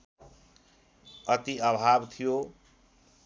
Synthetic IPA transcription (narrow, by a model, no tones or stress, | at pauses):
ʌt̪iʌbʱabt̪ʰijo